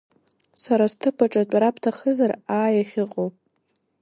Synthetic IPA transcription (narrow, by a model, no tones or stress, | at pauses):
saɾastʰɨpʰaʈ͡ʂʼat͡pʷʼaɾapʰtʰaχəzaraːjaχʲɪqʼowpʼ